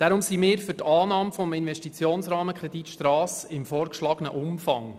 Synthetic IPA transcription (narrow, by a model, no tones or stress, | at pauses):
d̥æɾʊmsimɪːɾfʏtɑːnɑːmfɔmɪnvɛʃtit͡sjoːnsɾɑːməkʰɾɛdit̪ʃtrɑːsɪmfɔːɾkʃlɑːɡ̥ənə̰ʔʊmfɑŋ